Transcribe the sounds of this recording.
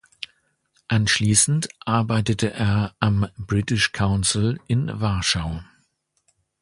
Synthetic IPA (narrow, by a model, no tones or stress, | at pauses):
ʔanʃliːsn̩tʔaɐbaɪtətʰəʔeːɐʔambʁitɪʃkʰaʊnsl̩ʔɪnvaɐʃaʊ